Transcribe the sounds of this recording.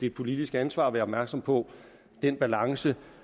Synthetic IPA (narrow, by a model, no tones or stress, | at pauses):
d̥ed̥pʰo̝lid̥isɡ̥ænsʋɑ̰̈ːʋeːɐɒb̥mæɐɡ̥sɒ̽m̰pʰɒ̽ | d̥enb̥ælɑ̈ŋsə